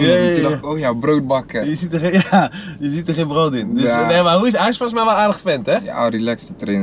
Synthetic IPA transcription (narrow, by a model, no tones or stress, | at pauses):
jaiənɔoːjabrowt̚bɑkəjəzitəjajəzitərxẽbrowtɪnddøsnemaɦuɪsɦɛjɪsfɔlˠsmɛjʋɔlˠaːrdəxfɛntɛja̰dilɛksətrɛn